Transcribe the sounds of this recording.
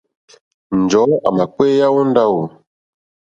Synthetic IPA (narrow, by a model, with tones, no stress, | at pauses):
n̩˨d͡ʒɔ˨˦a̰˨ma˨k͡pe˦ja˦wo˦n˦da˦wo˨